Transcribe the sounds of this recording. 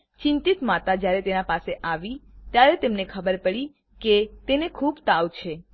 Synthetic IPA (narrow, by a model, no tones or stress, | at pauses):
t͡ʃɪ̃nt̪it̪mat̪ad͡ʒjaɾet̪enapaseʔaʋit̪jaɾet̪emnekʰəbəɾpəɭi | ket̪enekʰubt̪awt͡ʃʰe